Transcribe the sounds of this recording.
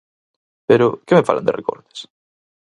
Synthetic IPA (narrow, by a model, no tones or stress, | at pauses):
peɾʊkemefa̰land̪erekɔ̰ɾt̪e̥s